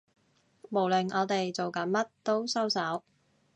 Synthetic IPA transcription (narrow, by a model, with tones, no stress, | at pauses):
mo˨˩wlɪ˨˩ŋɔː˨˧t̪e˨jt͡so˨wkɐ˨˥nmɐ˥t̚t̪o˥wsɐ˥wsɐ˨˥w